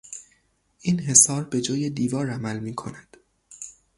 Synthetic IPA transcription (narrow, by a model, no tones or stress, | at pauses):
ʔiːnɦe̞sɒːɾbe̞d͡ʒɒːje̞d̪iːvɒːɾæmælmiːkʰo̞̰næd̪̥